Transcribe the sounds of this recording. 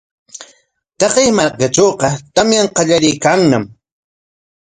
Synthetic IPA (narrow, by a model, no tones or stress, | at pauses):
t̪ɑqejmakat͡ʃoːqɑt̪amjaɴqɑʎaɾɪjkaŋnam